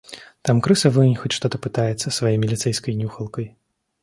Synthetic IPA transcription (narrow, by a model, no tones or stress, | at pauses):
t̪amkɾɨsɐvɨnʲxɔt͡sʲʂt̪ɔt̪ɐpɨt̪ajɛt̪sːɐsvajɛmʲilʲit̪sɛjskɐjnʲuxɐlˠkɐj